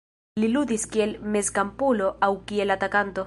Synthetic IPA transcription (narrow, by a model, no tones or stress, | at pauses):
liluðiskielmeskampuloʔawkielat̪akant̪o